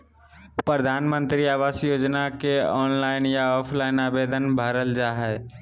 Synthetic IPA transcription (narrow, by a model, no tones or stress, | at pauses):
pɾəd̪ʱaːnmə̃nt̪ɾiaːʋaːsjoːd͡ʒnakeɔːnlaːɪnjaɔːpʰlaːɪnaːbeːd̪ənbʱəɾəld͡ʒaːɦɛː